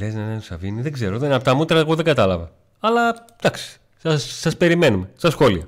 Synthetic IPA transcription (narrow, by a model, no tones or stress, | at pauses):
eznɐnenosɐviniðeɡze̞ɾoðenɐpot̪ɐmut̪ɾɐeɣoðe̞ŋɡɐt̪ɐlɐvɐ | ɐlɐ | d̪ɐksi̥ | ɐsːɐspe̞ɾime̞numest̪ɐsxo̞liɐ